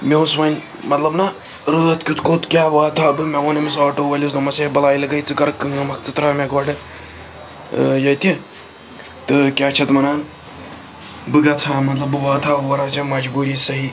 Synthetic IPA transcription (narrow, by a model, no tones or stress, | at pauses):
mʲesʋɐnʲ | mɐt̪lɐbnɐ | ɾɨːɐt̪kʲut̪kot̪kʲjaːʋaːt̪ʰaːbɨmeonɐmisaːʈoːʋɐlʲisnɐmɐsebɐlaːilɐɡɐit͡sɨkɐɾkːɨŋɐmɐkt͡sɨt̪ɾɐmeɡɐːɖɨ | jɐt̪i | t̪ɨkʲaːt͡ʃʰɐt̪mɐnaːn | bɨɡɐt͡sʰaːmɐt̪lɐbɨʋaːt̪ʰaːʋɐɾat͡sɐmɐd͡ʒbuːɾisɐɦi